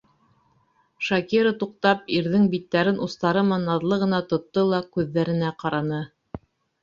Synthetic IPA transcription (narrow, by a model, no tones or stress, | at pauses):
ʃɑkiɾɤt̪uq̚t̪ɑp̚iɾðɘŋbit̪ːæɾɘnʔust̪ɑɾɤmɑnɑðlˠɤʁɤ̆nɑt̪ŏt̪ːɤlˠɑkʉðːæɾɘ̆næqɑɾɑnɤ